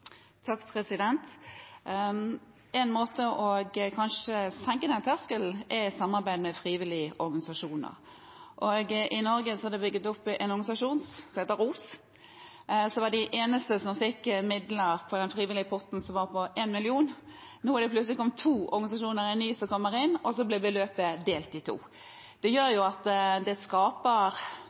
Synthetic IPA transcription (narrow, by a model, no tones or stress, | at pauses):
t̪ʰɑkːpʰɾɛsɪd̪ɛnt̪ | ɛnmoːt̪əʔɔɡkʰɑnʂəsɛŋkəd̪ɛnt̪ʰæskəlʔɛsɑmːɑɾbæɪd̪mɛfɾiːʋɪlɪəʔɔɾɡɑnɪsɑʂuːnə̰ʁ | ʔɔɡʔɪnɔɾɡəsɔɑd̪ɛbʏɡːət̪ɔpːʔɛnɔɾɡɑnɪsɑʂuːnssɔmheːt̪əɾuːs | sɔʋɑd̪ɪʔeːnəst̪əsɔmfɪkːmɪd̪ləɾpʰɔd̪ɛnfʁiːʋɪlɪəpʰɔt̪n̩sɔmʋɑɾpʰɔʔeːnmɪlɪuːn | nuːæɾɖ̪ɛpʰlʉtslɪkɔmːt̪ʰuːʔɔ̰ɾɡɑnɪsɑʂuːnəɾɪnːyːsɔkɔmːəɾɪnɔsɔblɛbəløːpəd̪eːlt̪d̪ɪt̪ʰṵː | d̪̥ɛjøːɾjʊɑt̪d̪ɛskɑːpəɾ